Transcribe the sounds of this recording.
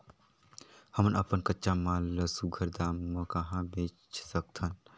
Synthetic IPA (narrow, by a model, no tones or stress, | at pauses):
həmnəpənkətːʃamãləsuɡʱəɾd̪amːə̃kəɦãbeːt͡ʃsəkt̪ʰən